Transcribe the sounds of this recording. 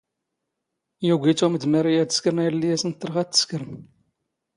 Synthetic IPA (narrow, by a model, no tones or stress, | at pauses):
juɡʷit͡suməd̪mæɾijæt̪ə̥skəɾnæjɾlːijæsənt̪ːəɾʁæt̪ːə̥skəɾəm